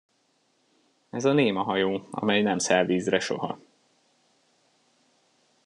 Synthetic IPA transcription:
ɛzɒneːmɒɦɒjoːɒ̰mɛjnɛmsɛlviːzrɛʃo̞̰ɦɒ̰

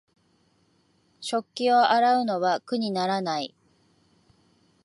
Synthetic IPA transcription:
ɕo̞kʲːio̞aɾaɯ̟no̞βakɯ̟ɲ̟inaɾanai

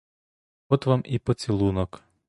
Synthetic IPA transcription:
ɔt̪ʋamipɔt͡sʲilˠunɔk

